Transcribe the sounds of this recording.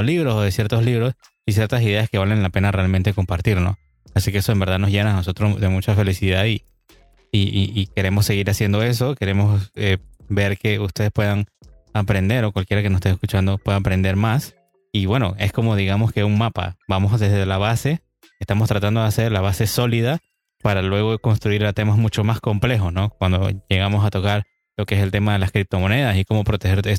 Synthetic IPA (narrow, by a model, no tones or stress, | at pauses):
liβɾo̞soðe̞sje̞ɾt̪o̞sliβɾo̞s | is̬jeɾt̪as̬iðe̞aske̞βale̞nlape̞nare̞alment̪e̞ko̞mpaɾt̪iɾno̞̰ | asike̞eso̞embe̞ɾðaðno̞zʝe̞naːno̞s̬o̞t̪ɾo̞sðe̞mut͡ʃafe̞lisiðaði | iiʔike̞ɾe̞mo̞sːe̞ɣiɾasje̞nd̪o̞e̞s̬o̞ke̞ɾe̞mo̞sebe̞ɾke̞ust̪e̞ðe̞spwe̞ðaŋ | apɾe̞nd̪e̞ɾo̞kwalkje̞ɾakenose̥st̪eeskut͡ʃand̪o̞pwe̞ðaapɾe̞nd̪e̞ɾmas | iβwe̞no̞e̞sko̞mo̞ð̞iɣamo̞skeuŋmapa̰bamo̞sðe̞zðe̞laβase̞ | est̪amost̪ɾat̪and̪o̞ðease̞ɾlaβ̞ase̞so̞liða | paɾalwe̞ɣo̞ðekonst̪ɾuiɾat̪e̞mazmut͡ʃo̞masko̞mple̞xo̞sno̞k̚wand̪o̞̰ʝe̞ɣamo̞sat̪o̞kaɾ | lo̞keese̞lt̪e̞maðe̞laskɾip̚t̪o̞mo̞ne̞ðasiko̞mo̞pɾo̞t̪exe̞ɾe